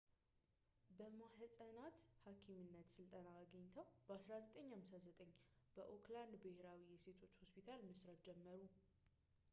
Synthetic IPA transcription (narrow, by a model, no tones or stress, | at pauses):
bəmaħsʼənat̪hakʰimɨnːət̪sɨlt̪ʼənaːɡəɲːt̪ʰəwbəasɾazət̪ʼəɲːhamsazət̪ʼəɲːb̥əʔokʰland̪bɨheɾawijɛse̞t̪ʰo̞t͡ʃːho̞spʰit̪ʰalmɨsɾat̪̚d͡ʒɛmːəɾu